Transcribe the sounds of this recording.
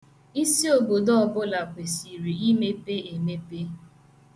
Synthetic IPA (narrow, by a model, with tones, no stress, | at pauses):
i˦si˦o˨bo˨dɔ˦ɔ˨bʊ˦la˨pe˨si˨ɾi˨i˦me˦pe˦e˨me˦pe˦